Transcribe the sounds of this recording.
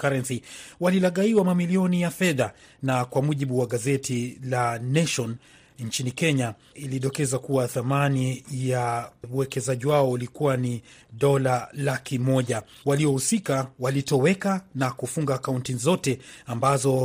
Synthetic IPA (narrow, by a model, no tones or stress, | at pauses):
kaɾɛnsiwalilaɠaiwamamiliɔnijafɛðanakwamuʄiɓuwaɠazɛtʰilanɛʃɔn | ɲt͡ʃinikɛɲa | iliɗɔkɛzakuwaθamanijauwɛkɛzaʄiwaɔulikuwaniɗɔlalakimɔʄa | waliɔhusikawalitɔwɛkanakufuŋɡaːkauntizɔtɛambazɔ